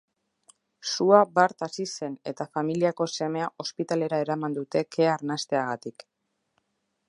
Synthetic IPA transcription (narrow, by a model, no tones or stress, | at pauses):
suabaɾt̪asise̞ne̞t̪afamiliako̞se̞me̞aʔo̞spit̪ale̞ɾae̞ɾamand̪ut̪e̞kʰe̞aɾnast̪e̞aɣat̪ik